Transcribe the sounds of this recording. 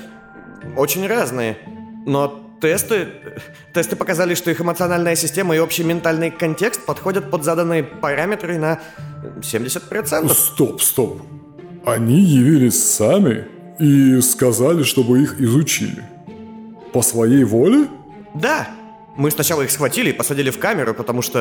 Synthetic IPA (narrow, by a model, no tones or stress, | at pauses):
ot͡ɕɪnʲraznɨjəno̞t̪ɛst̪ɨ | t̪ːɛst̪ɨpəkɐzalʲɪʂt̪o̞ixɨmət̪sɨɐnalʲnɨjəsʲɪsʲtʲeməɪo̞pɕɪjəmʲɪnt̪alʲnɨjkɐnʲtʲe̞kst̪̚pɐt̪xo̞dʲət̪̚pəd̪zad̪ənːɨjəpɐɾamʲɪt̪ɾɨnə | sʲemʲdʲɪsʲət̪pɾɐt̪sɛntəsft̪opst̪op | ɐnʲijɪvʲilʲɪsʲsamʲɪ̰ | iskɐzalʲɪʂt̪o̞bɨixɪzʊt͡ɕḭlʲɪ̰ | pəsvɐjejvolʲɪ | d̪a | mɨsnɐt͡ɕalˠəixsxvɐtʲilʲɪːpəsɐdʲilʲɪfkamʲɪɾʊpət̪ɐmuʂt̪o